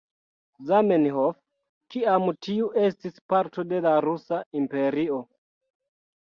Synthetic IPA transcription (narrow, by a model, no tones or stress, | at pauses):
zamenhof | kiamtiuʔe̞stispaɾto̞de̞laɾusaimpe̞ɾio̞